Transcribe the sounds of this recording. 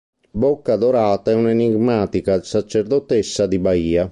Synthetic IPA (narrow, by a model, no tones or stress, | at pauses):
bɔkːad̪oɾaːt̪aɛuneniɡmaːt̪ikasat͡ʃːeɾd̪ɔt̪esːad̪ibaiːa